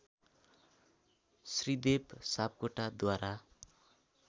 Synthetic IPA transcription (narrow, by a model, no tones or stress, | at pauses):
srid̪ebsap̚koʈad̪waɾa